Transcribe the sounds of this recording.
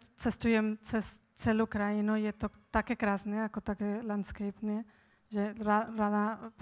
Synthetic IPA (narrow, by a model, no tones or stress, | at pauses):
t͡sɛst̪ujɛmt͡sɛs | t͡sɛlukɾajɪnujɛt̪ot̪akɛkɾaːznɛjakot̪akɛlant̪skɛjpnɛ | ʒɛɾaɾad̪ap